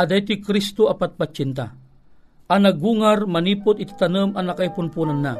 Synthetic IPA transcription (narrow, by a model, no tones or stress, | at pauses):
ɐd̪ajt̪ʊjkɾist̪oapat̪̚pat͡ʃːint̪a̰ | anaɡuːŋarmɐniːpʊt̪it̪i̥t̪ɐnəmanakaipʊnpuːnanːa